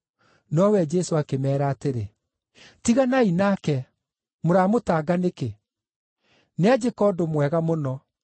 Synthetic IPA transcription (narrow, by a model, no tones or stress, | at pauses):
nɔwɛd͡ʒɛsoakemɛːɾaːteɾe | tiɣanainakɛ | moɾaːmotaːɡaneke | nead͡ʒekɔːdomwɛɣamonɔ